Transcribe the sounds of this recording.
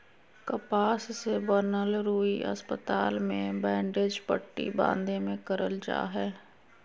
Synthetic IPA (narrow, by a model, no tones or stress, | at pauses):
kəpaːssebənəlɾuːiʔə̰spət̪aːlmẽbɛ̃ːɳɖeːd͡ʒpəʈːḭbã̰ːnd̪ẽmẽkəɾəld͡ʒa̰ːɦɛː